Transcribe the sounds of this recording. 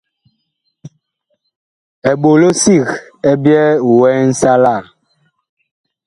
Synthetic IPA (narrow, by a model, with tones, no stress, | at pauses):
ɛ˨ɓo˨lo˦si˦˨ɣɛ˦bjɛ˦˨wɛ˦n̩˦sa˦la˦˨ɾ